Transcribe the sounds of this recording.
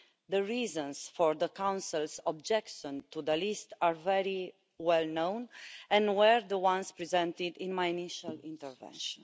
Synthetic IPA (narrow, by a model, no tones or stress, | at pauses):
d̪əɹizə̃nsfɔɹd̪əkãw̃nsəlsɔb̚d͡ʒɛkʃɔ̃nt̪ud̪əlist̪aɹvɛɹi | wɛlnõwnɛ̃nwɛɹd̪əwãnspɹizɛ̃nt̪id̪ĩnmajiniʃalĩnt̪ɛɹvɛ̰̃nʃɔ̃n